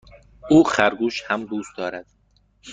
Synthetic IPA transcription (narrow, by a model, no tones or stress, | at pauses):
ʔuːxæɾɡuːʃhæmd̪uːst̪̚d̪ɒːɾæd̪̥